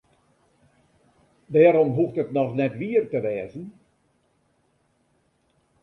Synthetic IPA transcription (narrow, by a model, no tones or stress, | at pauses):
dɛːɾɔmɦuxtətnɔxnɛtʋiərtəʋɛːzən